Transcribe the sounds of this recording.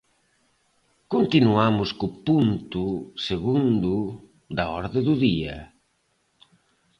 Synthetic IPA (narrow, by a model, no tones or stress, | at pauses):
kont̪inuamʊskʊpunt̪ʊseɣund̪ʊ | d̪ɐɔɾðeðʊðiɐ̰